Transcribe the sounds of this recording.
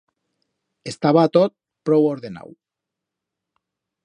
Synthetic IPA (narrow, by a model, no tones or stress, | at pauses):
est̪aβat̪ot̪̚ | pɾowoɾðena̰w